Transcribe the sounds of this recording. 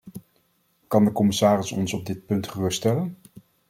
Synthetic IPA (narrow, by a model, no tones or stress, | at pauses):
kɑndəkɔmɪsaːrɪsɔ̰nsɔb̚dɪt̚pɵntχərɵstɛlən